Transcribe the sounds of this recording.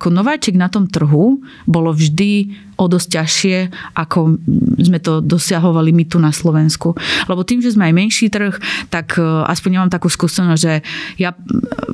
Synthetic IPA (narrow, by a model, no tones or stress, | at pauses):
akɔnɔʋaːt͡ʃɛɡnat̪ɔmt̪r̩ɦu | bɔlɔvʒd̪i | ʔɔd̪ɔs̚caʃɪɛʔakʰɔzmɛt̪ɔd̪ɔsɪaɦɔʋalimit̪unaslɔʋɛnskulɛbɔt̪iːmʒɛzmɛajmɛnʃiːt̪r̩xt̪aka̰spɔɲɲɛmaːmt̪akuːskuːsɛnɔzʲʒɛja